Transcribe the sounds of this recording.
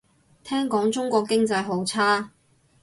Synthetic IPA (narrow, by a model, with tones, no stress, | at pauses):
t̪ʰɛː˥ŋkɔː˨˥ŋt͡sʊ˥ŋkʷɔː˧kːɪ˥ŋt͡sɐ˧jɦo˨˥wt͡sʰaː˥